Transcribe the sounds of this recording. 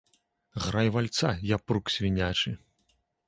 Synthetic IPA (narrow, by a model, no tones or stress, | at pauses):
ɣɾajvalʲt̪sajapruksʲvʲinʲat͡ʂɨ